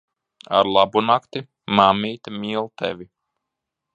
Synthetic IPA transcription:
a̰ɾlˠabunakt̪i | mamiːt̪miːlˠt̪ɛ̰vʲi

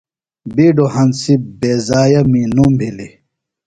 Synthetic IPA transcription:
biːɖohɐnsibeːzaːjɐminumbʱili

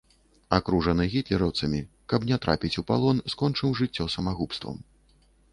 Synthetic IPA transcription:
akɾuʐɐnɨɣʲit̪lʲɛɾɐwt̪sɐmʲi | kɐbnʲɛt̪ɾapʲit͡sʲupa̰lˠɔnskɔnt͡ʂɨwʐɨt͡sʲːɔsɐmaɣupst̪vɐ̰m

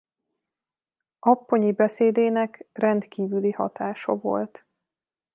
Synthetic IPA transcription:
ɒpːo̞ɲibɛseːd̪eːnɛkrɛnt̪kiːvylihɒ̰t̪aːʃɒ̰vo̞̰lt̪

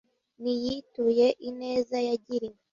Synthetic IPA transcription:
nijituje̞ʔine̞ːzajaɟiɾi

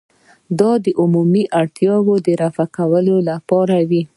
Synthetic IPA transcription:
d̪ɑd̪əʔumumiʔaɽt̪jɑwod̪əɾafakawəlolapɑɾawi

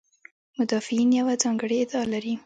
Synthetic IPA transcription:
mʊd̪ɑfɪinjawad͡zɑŋɡəɽeɪd̪ɑalaɾi

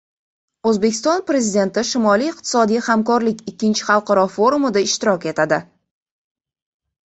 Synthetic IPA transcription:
ɵzbe̞kʲɪ̥st̪ɒnpɾe̞zid̪e̞nt̪ɪʃɪmɒlijɪq̚t̪ʰɪ̥sɒd̪ijhamkɒɾlɪkʲɪkʲʰːɪnt͡ʃʰɪχɑlˠqʰɑɾɒfo̞ɾumɪd̪aɪʃt̪ɪɾɒkʲe̞t̪ʰad̪ɪ

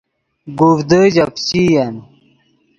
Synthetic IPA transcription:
ɡufd̪əd͡ʑɐpt͡ɕijɐn

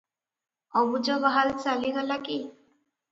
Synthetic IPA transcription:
ɔbud͡ʒɔbaɦalt͡ʃaliɡɔlaki

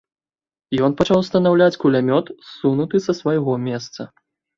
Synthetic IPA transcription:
jɔnpɐt͡ʂawst̪ɐnawlʲat͡sʲkulʲamʲɔt̪sunut̪ɨsɐsvajɣɔmʲɛst̪sɐ

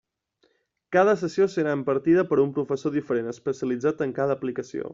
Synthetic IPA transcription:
kað̞əsəsiosəɾaəmpəɾt̪iðəpəɾumpɾufəsoðifəɾenəspəsiəlid͡zat̪əŋkaðəːplikəsio̰

